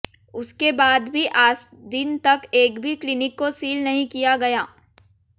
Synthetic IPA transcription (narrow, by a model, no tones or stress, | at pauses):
ʊskebaːd̪bʱiʔaːs | d̪ɪnt̪ɐkeːkbʱiklɪnɪkːosiːlnɐɦĩkijaɡɐjaː